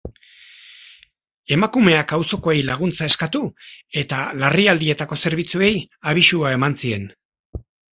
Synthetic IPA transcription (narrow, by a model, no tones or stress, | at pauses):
e̞makume̞akawso̞ko̞ejlaɣ̞unt͡sae̞skat̪ue̞t̪alariald̪ie̞t̪ako̞se̞ɾβ̞it͡sue̞j | aβ̞isuae̞mansie̞n